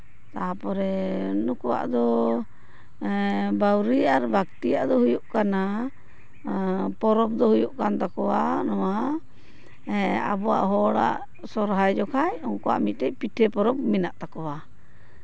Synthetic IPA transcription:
t̪apɔɾɛnukuwa̰ʔd̪ɔ | bawɾiaɾbakt̪ijaʔd̪ɔhujuʔkana | pɔɾɔp̚d̪ɔɦujuʔkant̪akɔwanɔwa | ɛa̰bɔwa̰ʔɦɔɽa̰ʔ | sɔɾɦajd͡ʒɔkʰajɔŋkɔwa̰ʔmit̪̚t̪ɛc̚piʈʰɛpɔɾɔb̚minaʔt̪akɔwa

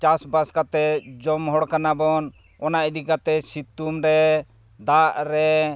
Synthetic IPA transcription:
t͡ʃasbaskat̪ɛd͡ʒɔmɦɔɽkanabɔn | ɔnaʔd̪ikat̪ɛsit̪ːumɾɛ | d̪aʔɾɛ

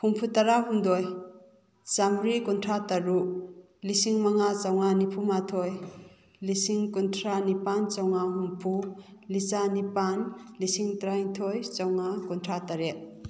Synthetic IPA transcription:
humpʰutaɾaɦumd̪ɔj | t͡ʃamɾikɔntʰɾataɾu | lisiŋmaŋat͡ʃawŋanipʰumatʰɔj | lisiŋkɔntʰɾanipant͡ʃawŋaɦumpʰulit͡ʃanipanlisiŋtɾajŋt̪ʰɔjt͡ʃawŋakɔntʰɾataɾet̚

